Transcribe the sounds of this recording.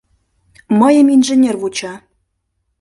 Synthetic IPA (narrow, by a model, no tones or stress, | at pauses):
məjə̆minʒenʲerβut͡ɕɑ